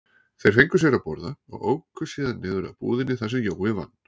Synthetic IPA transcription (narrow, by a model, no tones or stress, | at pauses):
θejɾ̥fejŋkʏ̥sjɛɾapɔɾðaɔ̰ɣoːwkʏsiːðanːɪːðʏɾa̰pṵːðɪnːɪθasɛmjowvɪva̰nː